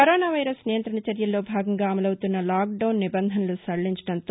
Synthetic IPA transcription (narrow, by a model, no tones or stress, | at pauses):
ɐɾoːnaːʋɐjɾɐsnijɐnt̪ɾɐɳɐt͡ʃɐɾjɐlːo̞ːbʱaːɡɐŋɡaːɐmɐlɐwut̪unːɐlaːk̚ɖɐwnːibɐnd̪ʱɐnɐlusɐɭːiɲt͡ʃɐ̥ɽɐnt̪oː